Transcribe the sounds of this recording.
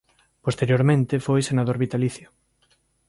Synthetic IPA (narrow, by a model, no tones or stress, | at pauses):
post̪eɾjoɾmẽnt̪ɪfojsenaðoɾβit̪aliθjo